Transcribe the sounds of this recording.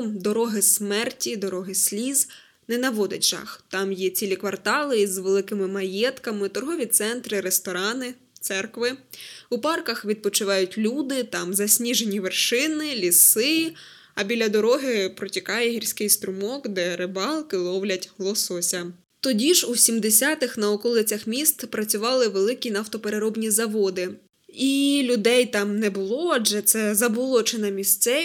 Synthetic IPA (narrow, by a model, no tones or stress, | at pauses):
d̪ɔɾɔɦɪsmɛrtʲid̪ɔɾɔɦɪsʲlʲiz | nɛnɐʋɔd̪ɪtʲʒɑ̰xt̪ɑmjɛt͡sʲilʲikʋɐrt̪ɑlˠɪizʋelˠɪkɪmɪmɐjɛt̪kɐmɪt̪ɔrɦɔʋʲit̪sɛnt̪ɾɪɾest̪ɔɾɑnɪ | t̪sɛrkʋɪupɑrkɐxʋʲid̪̚pɔt͡ʃʊʋɑjʊtʲlʲud̪ɪt̪ɑmzɐsʲnʲiʒe̞nʲiʋerʃɪnɪlʲisɪ | ɐbʲilʲɐd̪ɔɾɔɦɪpɾɔtʲikɑjɛɦirʲsʲkɪjst̪ɾʊmɔkd̪ɛɾɪbɑlˠkɪlˠɔʋlʲɐtʲɦlˠɔsɔsʲɐ | t̪ɔdʲiʒusʲimd̪esʲɑt̪ɪxnɐɔkɔlˠɪt͡sʲɐxmʲist̪pɾɐt͡sʲʊʋɑlˠɪʋelˠɪkʲinɐwt̪ɔpeɾeɾɔbnʲizɐʋɔd̪ɪ | ilʲʊd̪ɛjt̪ɑmnɛbʊlˠɔɐʒɛt̪sɛzɐbɔlˠɔt͡ʃenɐmʲist̪sɛ